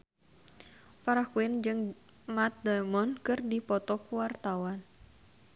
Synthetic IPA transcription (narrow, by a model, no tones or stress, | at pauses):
paɾakuɪnd͡ʒɨŋ | mat̪̚d̪amɔnkɨrdipɔt̪ɔkuwart̪awan